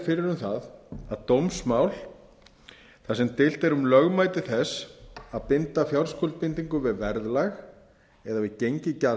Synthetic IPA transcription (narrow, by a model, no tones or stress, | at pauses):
fɪɾɪɾʏmθaðaðt̪owmsmaːwl | θasɛmt̪ɪl̥t̪ɛɾumlœɣmaːjt̪ɪθɛsaðpɪnt̪afjawɾskʰɔlt̪̚pɪnt̪iŋkʏvɪðvɛɾðlax | ɛðavɪðcejɲcɪca